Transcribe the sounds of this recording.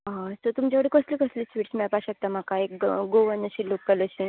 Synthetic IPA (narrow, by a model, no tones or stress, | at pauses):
ɦãst̪ət̪umt͡ɕjaʋəɽekəsliːkəsliːsʋiːʈsmiɭpaɕək̚t̪am̤akaekɡoʋənːəɕilokkələɕi